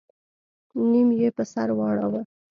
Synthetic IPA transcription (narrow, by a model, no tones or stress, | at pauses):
nimjepəsa̰ɾwɑɽawə